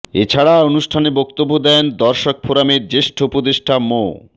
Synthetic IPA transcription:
et͡ɕʰaɽaonuʃʈʰanebɔkt̪obːod̪ɛnd̪ɔɾʃok̚pʰoɾameɾd͡ʑeʃʈʰoupod̪eʃʈʰamo

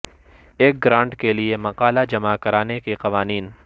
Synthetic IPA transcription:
eːk̚ɡɾãːɳɖkeliemɐqaːlad͡ʒɐmakɐɾaːnekeqɐʋaːniːn

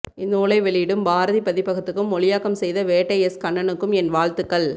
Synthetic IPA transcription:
ɪnːuːɭɐɪʋɛɭɪjɪɽɯmbaːɾɐðipɐðɪpːɐɣɯt̪ːɯkːɯmːɔɭɪjaːkɐmsɛjðɐʋeːʈːɐɪɛskɐɳːɐnɯkːɯmɛnʋaːɭt̪ɯkːɐɭ

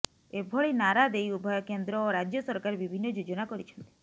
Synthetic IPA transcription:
ebʱoɭinaɾad̪ejubʱɔjɔkend̪ɾɔːɾad͡ʒjɔsɔɾkaɾebibʱinːɔd͡ʒod͡ʒɔnakɔɾit͡ʃʰɔ̥nt̪i̥

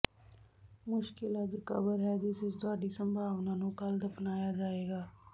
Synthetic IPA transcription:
mʊʃkɪlad͡ʒokɐbəɾɦɛd͡ʒɪsesd̪aːɖisə̃mbʱaːʋnanũkɐld̪ɐpnaːjad͡ʒaːeːɡaː

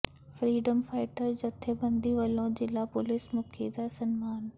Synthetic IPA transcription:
fɾiːɖəmfaːɪʈəɾd͡ʑɐt̪ʰebɐ̃nd̪iʋɐlõd͡ʑɪlaːpʊlɪsmʊkʰḭd̪asɐnmaːn

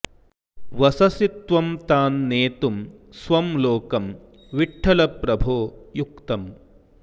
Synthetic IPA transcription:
ʋɐsɐsit̪ʋɐmt̪aːnːeːt̪umsʋɐmloːkɐm | ʋiʈʰːɐlɐpɾɐbʱoːjukt̪ɐm

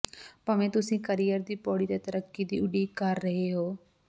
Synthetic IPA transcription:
pəʋẽːt̪ʊsĩːkəɾijəɾd̪iːpɔːɽiːd̪eːt̪əɾəkːiːd̪iːʊɖiːkəɾːəɦeːɦoː

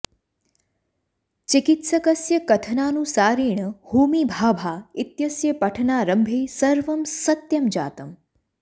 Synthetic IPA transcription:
t͡ʃikit̪sɐkɐsjɐkɐt̪ʰənaːnũsaːɾiːɳəhuːmiːbʱaːbʱaːit̪jɐsjɐpɐʈʰnaːɾəmbʱeːsɐɾʋəmsɐt̪jɐmd͡ʒa̰ːt̪əm

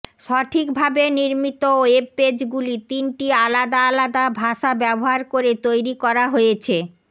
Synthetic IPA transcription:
ʃɔʈʰikbʱabeniɾmit̪ooebed͡ʑɡulit̪inʈialad̪aalad̪abʱaʃabɛboɦaɾkoɾet̪ojɾikɔɾaɦojet͡ɕʰe

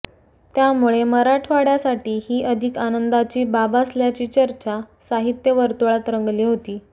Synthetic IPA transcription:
t̪jamuɭeməɾaʈʰʋaɽjasaʈiːhiːʔəd̪ʱikanənd̪at͡ɕiːbabasljat͡ɕiːt͡ɕəɾt͡ɕasaɦit̪jəʋəɾt̪uɭat̪ɾəŋɡliːɦot̪iː

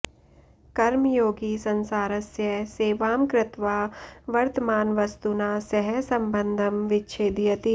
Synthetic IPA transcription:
kɐɾmjoːɡisɐ̃nsaːɾəsjəɦseːʋaːmkɾɪt̪ʋaːʋɐɾt̪əmaːnʋɐst̪unaːsɐɦɛsɐ̃mbə̃nd̪ʱəmʋɪtːʃʰeːd̪ijət̪i

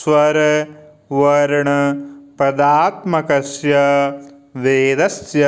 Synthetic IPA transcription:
sʋɐɾ | ʋɐɾɐɳpɐd̪aːt̪mɐkɐsjɐ | ʋeːd̪ɐsjɐ

